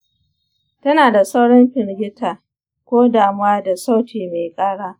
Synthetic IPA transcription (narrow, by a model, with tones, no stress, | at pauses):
tɐ˦naː˨da˨sa˦wɽɔ˦mɸɪ˨ɾɡʲɪ˦tʰaː˨ | kʷoː˦daː˨mʊ˦waː˦da˨sa˦wtʰiː˨me˨jkʼaː˦ɽaː˦